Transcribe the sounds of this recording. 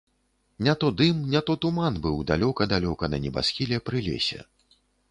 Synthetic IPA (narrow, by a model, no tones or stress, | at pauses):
nʲat̪ɔd̪ɨmnʲat̪ɔt̪umanbɨwd̪alʲɔkɐd̪alʲɔkɐnɐnʲɛba̰sxʲilʲɛpɾɨlʲɛ̰sʲɛ̰